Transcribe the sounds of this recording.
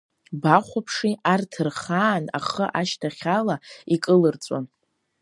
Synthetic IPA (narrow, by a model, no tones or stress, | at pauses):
baχʷapʰʂiartʰɨrχaːna̰χəʔaʃtʰaχʲalaikʼɨlɨrt͡sʼa̰n